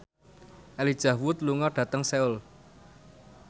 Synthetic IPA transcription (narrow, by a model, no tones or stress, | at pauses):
ʔɛlid̥ʒ̥ä̤hwʊt̪̚luŋɔɖ̥ä̤t̪əŋsɛʊl